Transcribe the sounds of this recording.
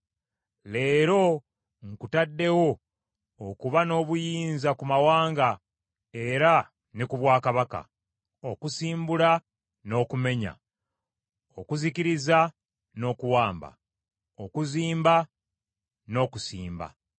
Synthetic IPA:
le̞ːɾo̞ | ŋkutadːe̞wo̞ː | kuβano̞ːβujiːnzakumawaːŋɡa | e̞ɾa | nikuβwaːkaβaka̰ | okusiːmbula | no̞ːkume̞ɲa̰ | okuziciɾiza | no̞ːkuwaːmba̰ | okuziːmba | no̞ːkusiːmba̰

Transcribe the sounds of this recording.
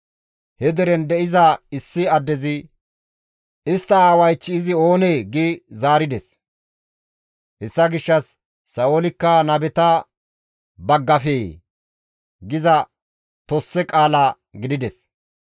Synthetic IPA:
hɛd̪ɛɾɛnd̪ɛʔɪzɐɪsːɪɐd̪ːɛzɪ | ʔɪst̪ːɐaːwɐjt͡ʃːɪɪzɪo̞ːneːɡɪzaːɾɪd̪ɛs | hɛsːɐɡɪʃːɐsː | ɐʔolɪkːɐnɐbɛt̪ɐ | bɐɡːɐfeː | ɡɪzɐ | t̪ɔsːɛkʼaːlaː | ɡɪd̪ɪd̪ɛs

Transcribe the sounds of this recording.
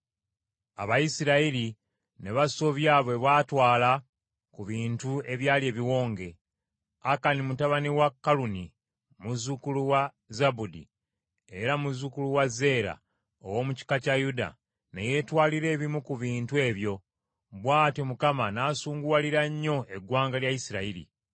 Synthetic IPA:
a̰βajisiɾaili | ne̞βaso̞βjaːβwe̞βwaːtwaːla | kuβiːntue̞βjaːlje̞ːβiwo̞ːŋɡe̞ | akanimutaβaniwakːaluni | muzukuluwa | zabudḭ | e̞ɾamuzukuluwaze̞ːɾa̰ | o̰wo̞muci̥kacajuda̰ | neje̞twaːliɾe̞ːβimukuβiːntue̞ːβjo̞ | βwaːtimukamanaːsuːŋɡuwaliɾaɲːo̞e̞ɡwaːŋɡaljaisiɾaiɾḭ

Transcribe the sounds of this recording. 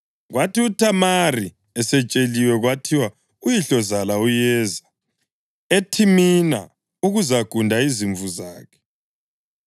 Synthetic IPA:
ɣwatiutʰamari | ɛsɛt͡ʃʼeliwɛɣwatʰiwa | ujiɬɔzalaujɛːza | etʰimina̰ | uɣuzaɡ̥ʱundʱaiziɱvuzaːkʰɛ̥

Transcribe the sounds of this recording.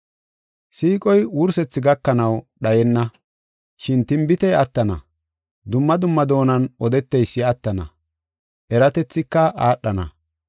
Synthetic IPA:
siːkʼɔjwʊɾsɛt͡sːɪɡɐkːɐnɐwɗɐjɛnːɐ | ʃɪnt̪ɪmbɪt̪ɛjɐt̪ːɐnɐ̰ | d̪ʊmːɐd̪ʊmːɐd̪o̞ːnɐnʔɔd̪ɛt̪ːɛjsːɪɐt̪ːɐnɐ̰ | ʔɛɾɐt̪ɛt͡sːɪkːɐʔaːɗːɐnɐ̰

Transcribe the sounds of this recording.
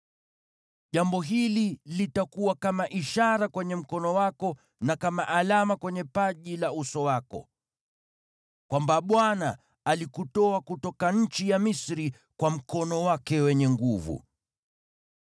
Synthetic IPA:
ʄambɔɦililitakuwakamaʔiʃaɾakwɛɲɛm̩kɔnɔwakɔ | nakamaʔalamakwɛɲɛpaʄilausɔwakɔ̰ | kwambaɓwanaː | likutɔakutɔkaɲ̩t͡ʃijamisɾi | kwam̩kɔnɔwakɛwɛɲɛŋɡuvṵ

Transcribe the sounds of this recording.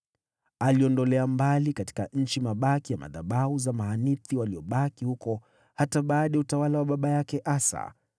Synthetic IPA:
aliɔndɔlɛambalikati̥kaɲ̩t͡ʃimaɓakijama̰ðaɓauzamaɦaniθiwaliɔɓakihukɔ | hataɓaːɗajautawalawaɓaɓajakɛʔasa̰

